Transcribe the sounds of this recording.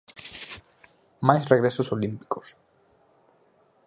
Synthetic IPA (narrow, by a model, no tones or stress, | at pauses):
majsreɣɾesosolimpi̥kos